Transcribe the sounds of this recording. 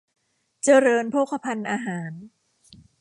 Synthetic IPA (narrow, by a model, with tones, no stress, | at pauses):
t͡ɕa˧ɾɤː˧npʰoː˥˩kʰːa˧pʰa˧nʔaː˧ɦaː˩˦n